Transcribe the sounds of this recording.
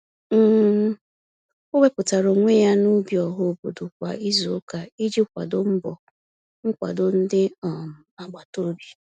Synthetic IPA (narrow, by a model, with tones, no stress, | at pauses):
m̩˦ | ʊ˦ɡ͡be˦pʊ˨ta˨ɾo˨ŋʷe˦ja˦nu˦bjɔ˨ɦʊ˦o˨bo˨dʊ˨kʷa̰˨i˦zo˨ʊ˦ka˨i˦d͡ʒi˦kʷa̰˨dʊ˨m̩˦bɔ̰˨ | ŋ̩˦kʷa̰˨dʊ˨n̩˦dɪ˦ɔ˨m̩˨a˨ɡ͡ba˨to˦bi˨